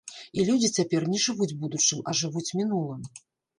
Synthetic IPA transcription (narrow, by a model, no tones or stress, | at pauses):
ilʲud͡zʲit͡sʲapʲɛrnʲɛʐɨvud͡zʲbud̪ut͡ʂɨmɐʐɨvut͡sʲmʲinulˠɨm